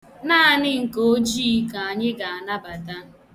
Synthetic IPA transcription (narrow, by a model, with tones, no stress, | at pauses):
na˦˨nɪ˦ŋ̩˨ko˦d͡ʒi˦ka˨a˨ɲɪ˦ɡa˨a˨na˦ba˨ta˦